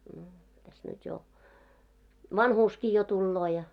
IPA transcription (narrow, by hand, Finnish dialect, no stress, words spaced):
no tæs nyt jo ʋɑnhuːski jo tulːoː jɑ